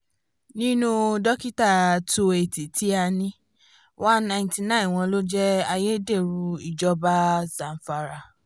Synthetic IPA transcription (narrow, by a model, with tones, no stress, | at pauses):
nĩ˦nũ˦dɔ˦ki˦ta˦˨to˧e˨ti˨ti˨˦a˧nĩ˦ | wã˦n˦nã˧˨ĩ˨nti˨nã˦˨w̃ɔ̃˧lo˦d͡ʒɛ˦a˧je˦de˦˨ɾũ˧i˦˨d͡ʒɔ˦ba˦zã˨n̩˨fa˧˨ɾa˧˨